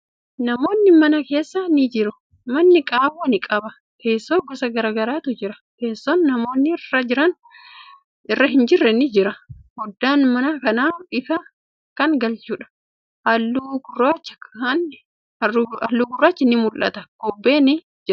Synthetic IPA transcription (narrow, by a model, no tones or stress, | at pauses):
nɐmo̞ːnːɪmɐnɐke̞ːsːɐnɪd͡ʒɪɾʊ | mɐnːɪkʼaːwɐnɪkʼɐbɐ | ke̞ːsːoːɡɔsɐɡɐɾaːɡɐɾaːt̪ʊd͡ʒɪɾɐ | ke̞ːsːonːɐmo̞ːnːɪɪrːɐd͡ʒɪɾɐn | ɪrːɐɦɪnd͡ʒɪrːɛnɪd͡ʒɪɾɐhɔd̪ːaːnmɐnakɐnaːɪfɐ | kːɐŋɡɐlt͡ʃuːᶑɐ̥ | ɐlːuɡʊrːaːt͡ʃːɐ̥ɐnː | ɐɐlːuːɡʊrːaːt͡ʃːɪnɪmʊlʔɐ̰t̪ɐɡ̥ɔbːe̞ːnɪ | d͡ʒɪɾ